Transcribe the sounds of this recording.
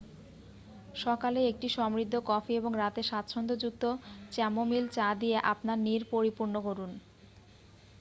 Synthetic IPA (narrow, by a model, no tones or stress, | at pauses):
ʃɔkaleek̚ʈiʃɔmɾid̪ʱːokɔfieboŋɾat̪eʃat̪ʰːʃʰɔnd̪od͡ʑuk̚t̪ot͡ɕɛmomilt͡ɕad̪ijeʔa̰pnaɾniɾpoɾipuɾnokoɾun